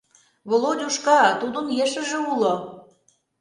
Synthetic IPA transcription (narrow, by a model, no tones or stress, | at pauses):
βolˠodʲuʃkɑt̪ud̪ənjeʃə̆ʒĕulo